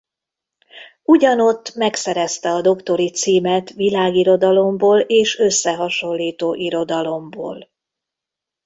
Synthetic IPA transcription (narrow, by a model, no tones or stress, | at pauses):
uɟɒno̞t̪ːmɛksɛɾɛst̪ɛɒd̪o̞kt̪o̞ɾit̪siːmɛt̪ʋilaːɡiɾo̞d̪ɒlo̞mboːleːʃø̞sːɛɦɒʃo̞lːiːt̪oːʔiɾo̞d̪ɒlo̞mbo̰ːl